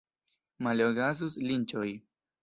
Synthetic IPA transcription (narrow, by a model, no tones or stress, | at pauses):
maloɡazuslint͡ʃoj